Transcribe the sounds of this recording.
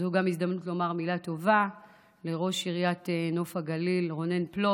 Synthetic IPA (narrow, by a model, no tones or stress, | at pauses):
zhuɡamisd̪amnutlo̞maʁmilato̞va | le̞ʁo̞ʃiʁjateno̞faɡalilʁo̞ne̞nplo